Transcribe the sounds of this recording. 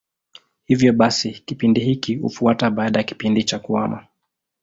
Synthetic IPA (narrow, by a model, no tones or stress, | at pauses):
hivjɔɓasikipindihikihṵfuataɓaːɗajaki̥pindit͡ʃakuama